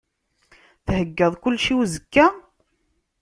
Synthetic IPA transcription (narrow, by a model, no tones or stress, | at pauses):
θhəɡːəðˤkʊlːʃiwzəkːæ